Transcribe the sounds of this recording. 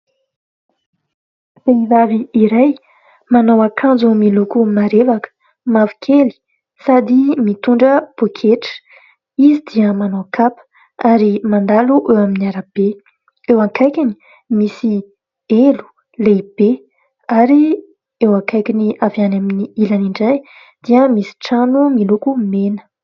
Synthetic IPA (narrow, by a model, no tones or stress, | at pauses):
b̥eivaviːɾaj | manowakʰãnd͡zumilukumaɾevakə̥ | mavi̥kʰeli̥ | sad̪imit̪uɳɖ͡ʐəb̥okʰeʈ͡ʂə̥ | izid̪iəmanowkʰapə̥ | aɾimand̪aluʔewaminiaɾəb̥e | ewaŋkajkʲini̥ | misi | elu̥ | leb̥e | aɾi | ewãŋkajkiniavianaminiilaniɳɖ͡ʐaj | d̪̥iəmisi̥ʈ͡ʂanumilukumenə̥